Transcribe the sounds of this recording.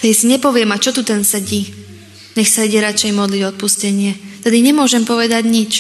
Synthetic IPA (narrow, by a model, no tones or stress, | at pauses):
t̪ɛd̪isiɲɛpɔʋɪɛmat͡ʃɔt̪ut̪ɛnsɛɟiː | ɲɛxsaiɟɛɾat͡ʃɛjmɔd̪liɟɔt̪̚puscɛɲɪɛt̪ɛd̪iɲɛmʊɔʒɛmpɔʋɛd̪aɟɲit͡ʃ